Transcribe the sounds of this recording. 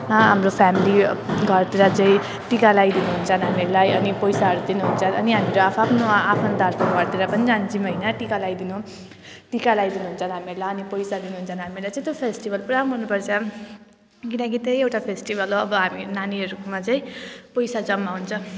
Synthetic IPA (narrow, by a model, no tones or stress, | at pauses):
ɦamɾopʰamiliɡʱʌrt̪iɾat͡saĩ | ʈikalajd̪inuɦunt͡sʰʌnɦamieɾulajʌnipʌjsaɦʌɾud̪inuɦunt͡sʰʌnʌniɦamiɾoapʰapʰnoapʰʌnt̪arpʰʌɾɡʌɾt̪iɾʌpʌnid͡zant͡simʌinʌʈikalajd̪inu | ʈikalajd̪inuɦunt͡sʰʌnɦamieɾulajʌnipʌjsad̪inuɦunt͡sʰʌnɦamilajt͡sãĩt̪jopʰesʈibʌlpuɾamɦunupʌrt͡sʰʌ | kinʌkit̪ejewʈapʰesʈibʌloʌbʌɦaminaniʌɾukomat͡sãĩpʌjsad͡zʌmːaɦunt͡sʰʌ